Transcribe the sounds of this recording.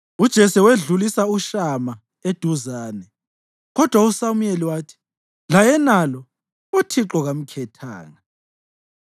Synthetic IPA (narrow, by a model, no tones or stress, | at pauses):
ud̥ʒ̥ʱɛsɛweɮulisauʃama | ed̥ʱuzaːnɛ | ɣɔd̥ʱwausamueliwaːtʰi̥ | lajɛnalɔ | utʰiǃɔɣam̩kʰɛtʰa̰ːŋa